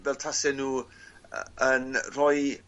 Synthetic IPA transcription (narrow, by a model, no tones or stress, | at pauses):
vɛːltʰasɛnuː | ənrɔj